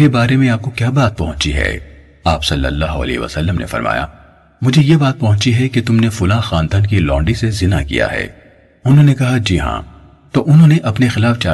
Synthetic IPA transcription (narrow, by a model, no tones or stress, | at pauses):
ɾebaːɾemẽaːp̚kokjaːbaːt̪̚pɐɦʊ̃t͡ʃiɦɛ̰ | aːpsɐlːə̰lːaːɦoɐ̰lḛːɦʋə̰sɐlːəmnʔḛfɐ̰ɾmʔa̰ːja̰ | mʊd͡ʒʱejebaːt̪̚pɐɦʊ̃t͡ʃiɦɛket̪ʊmnefʊlãxaːnd̪aːnkilɔ̃ːɳɖisezɪnakḭja̰ɦɛ̰ː | ʊnɦõːnekɐɦad͡ʒiːɦã̰ː | t̪oʔʊnɦõːneʔɐpnexɪlaːft͡ʃaː